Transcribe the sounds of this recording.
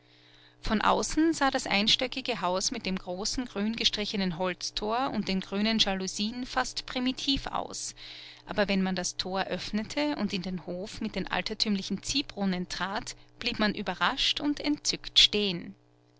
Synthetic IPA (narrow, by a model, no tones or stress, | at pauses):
fɔnʔa̰ʊsn̩zaːdasʔa̰ɪnʃtœkɪɡəɦaʊsmɪt̚d̥eːmɡʁoːsn̩ɡʁyːnɡəʃtʁ̥ɪçənənɦɔlt͡stʰoːɐʊ̰nt̚d̥eːnɡʁyːnənʒaluziːnfastpʁ̥imitʰiːfa̰ʊsʔa̰ːbɐvɛnmandastʰoːɐʔœfnətʰəʊ̰ntɪndeːnhoːfmɪt̚d̥eːnʔa̰ltɐtʰyːmlɪçn̩t͡siːbʁʊnəntʁ̥aːtb̥liːpmanʔyːbɐʁaʃtʊntɛ̰ntt͡sʏktʃteːən